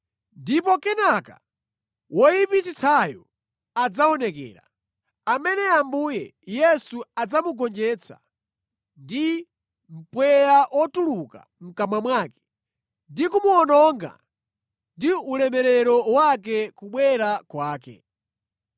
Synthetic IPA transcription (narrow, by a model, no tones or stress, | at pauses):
ndipɔkɛnaka̰ | wɔjipit͡ʃit͡sʰajɔ̰ | ad͡zaɔnɛkɛ̰ːɾa̰ | amɛnɛambujɛjɛsuad͡zamuɡɔnd͡ʒɛt͡sʰa̰ | ndi | m̩pwɛjaʔwɔtuluka̰ | m̩kamwamwaːkɛ̥ | ndikumuɔnɔŋɡa̰ | ndiulɛmɛɾɛɾɔwak̬ɛkuɓwɛɾakwaːkɛ̰